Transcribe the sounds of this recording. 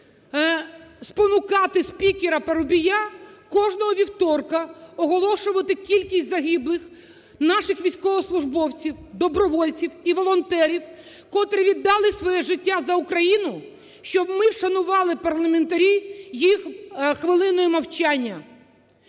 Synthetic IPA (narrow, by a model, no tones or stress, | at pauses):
spɔnʊkɑt̪ɪspʲikʲeɾɐpeɾʊbʲijakɔʒnɔɦɔʋʲiwt̪ɔrkɐɔɦɔlˠɔʃʊʋɐt̪ɪkʲilʲkʲisʲtʲzɐɦiblˠɪx | nɑʃɪxʋʲijsʲkɔʋɔslˠʊʒbɔwt͡sʲiwd̪ɔbɾɔʋɔlʲt͡sʲiwiʋɔlˠɔnt̪ɛɾʲiw | kɔt̪ɾɪʋʲid̪ːɑlˠɪsʋɔjɛʒɪtʲːazɐʊkɾɐjinʊ | ʃt͡ʃɔbmɪwʃɐnʊʋɑlˠɪpɐrlˠɐment̪ɐɾʲijixxʋɪlˠɪnɔjimɐwt͡ʃanʲːɐ